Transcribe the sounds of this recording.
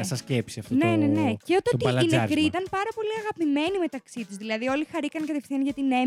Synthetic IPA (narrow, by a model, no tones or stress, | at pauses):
ɐsɐscepsiɐft̪otne̞nene̞ceot̪oilɐneɐkɾit̪ɐnpɐɾɐpo̞liɐɣɐpime̞nime̞t̪ɐksit̪uzðilɐðio̞lixɐɾikɐnkɐt̪efθiɐnʝɐt̪ine̞